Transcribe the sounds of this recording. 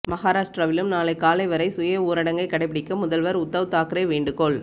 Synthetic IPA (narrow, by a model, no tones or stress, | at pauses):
mɐɣaːɾaːʂʈɾɐʋɪlɯmnaːlɐɪkːaːlɐɪʋɐɾɐɪsʊjɐuːɾɐɽɐŋɡɐɪkːɐɽɐɪpːɪɽɪkːɐmʊðɐlʋɐɾʊt̪ːɐʋɯt̪ːaːkɪɾɐɪʋeːɳɖɯkɔɭ